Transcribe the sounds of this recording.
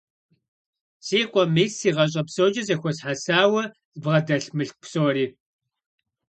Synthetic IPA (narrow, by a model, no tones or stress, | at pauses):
sʼiːqʷʼɔmisiːʁɐɕ̬ʼɐpsod͡ʒɐzɐxʷɔsħasaːwɐ | zbʁɐdɐɬmɨɬk̚ʷpsoːɾiː